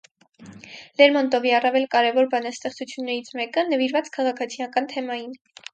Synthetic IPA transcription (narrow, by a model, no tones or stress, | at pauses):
lɛɾmɔnt̪ɔviɑrɑvɛlkɑɾɛvɔɾbɑnɑst̪ɛχt͡sut͡sʰjunːɛɾit͡sʰmɛkənəviɾvɑt͡skʰɑʁɑkʰɑt͡sʰijɑkɑnt̪ʰɛmɑjin